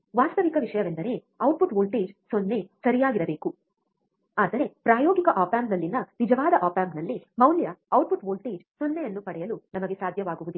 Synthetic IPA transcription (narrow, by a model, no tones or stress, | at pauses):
ʋaːst̪ʰɐʋikɐʋiʂɐjɐʋend̪ɐɾe̞ | ɐwʈ̚pʰuʈʋoːlʈeːd͡ʒsonːe̞sɐɾijaːɡiɾɐbe̞ːku | aːd̪ɐɾe̞pɾaːjoːɡikɐʔaːpaːmpnɐlːinɐnid͡ʒɐʋaːd̪ɐʔaːpaːmnɐlːimɐwljɐɐwʈ̚puʈʋoːlʈeːd͡ʒsonːejɐnːupɐɽɛjɐlunɐmɐɡe̞saːd̪ʱjɐʋaːɡuʋud̪u